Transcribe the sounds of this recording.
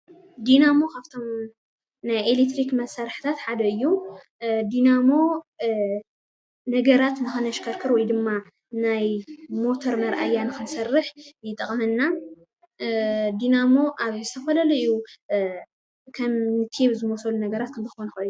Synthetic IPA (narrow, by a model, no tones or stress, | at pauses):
d̪inamo̞kʰaβt̪ʰo̞m | najelet̪ɾikmɐsaɾħɨ̥t̪ʰat̪ħad̪ɐɨjːu | d̪inamo̞ | nɐɡɐɾat̪nɨxɨnɐʃkʰɐɾkʰɨɾwɔjd̪ɨmːa | najmo̞t̪ʰoɾmɐɾʔajːanɨxɨnsɐrːɨħjɪt̪ʼɐχʼmɨnːa | d̪inamo̞ʔaβzɨt̪ʰɐfɐlɐlɐɨju | kʰɐmːɨt̪ʰeβzɨmosɐlunɐɡɐɾat̪̚kʰɐmzɨxonɐxɐɨjːu